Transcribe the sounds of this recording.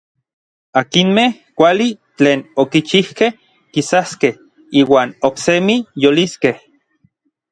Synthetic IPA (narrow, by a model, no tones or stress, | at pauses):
akinmehkʷalit͡ɬeːnokit͡ʃihkeh | kisaskeh | iːwaːnoksemijoliskeh